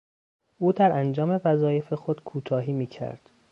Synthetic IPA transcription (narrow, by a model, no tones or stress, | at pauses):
ʔuːd̪æɾʔænd͡ʒɒːme̞væzɒːje̞fe̞xo̞d̪̥kʰuːt̪ʰɒːɦiːmiːcʰæ̰ɾd̪̥